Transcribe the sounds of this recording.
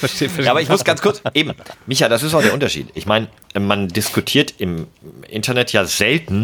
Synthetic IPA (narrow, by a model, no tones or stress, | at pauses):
fɛɐʃeːfjaaːbɐɪçmʊsɡ̥ant͡skʰʊɐt͡sʔeːbm̩mɪçadas̬ɪstaʊxdeːɐʊntɐʃḭːtʔɪçmaɪnə | ʔɛmandɪskutʰiːɐtɪmʔɪ̰ntɐnɛtʰjaːzɛltn̩